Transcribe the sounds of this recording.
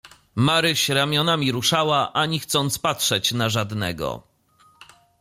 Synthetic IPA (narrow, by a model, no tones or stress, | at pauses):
maɾɘɕɾamʲjɔnamʲiɾuʂawaʔaɲixt̪sɔnt̪spatʂɛt͡ɕnaʐad̪nɛ̰ɡɔ̰